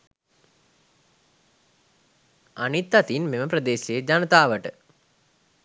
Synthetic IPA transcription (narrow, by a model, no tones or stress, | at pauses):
anit̪ːat̪inmeməpɾəd̪eːseəd͡ʒanət̪aːʋəʈə